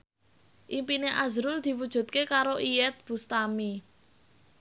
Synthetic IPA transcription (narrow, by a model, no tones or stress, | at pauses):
ʔimpineʔazɾʊld̪̥i̤wud̥ʒ̥ṳt̪̚kekaɾoʔijɛt̪̚b̥ṳst̪ami